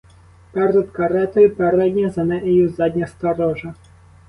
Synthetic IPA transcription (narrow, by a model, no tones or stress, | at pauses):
pɛrd̪ɐt̪kɐɾɛt̪ɔjʊpɛɾɛd̪ʲnʲɐzɐnɛʔɛjuzɑd̪ʲnʲɐst̪ɐɾɔʒɐ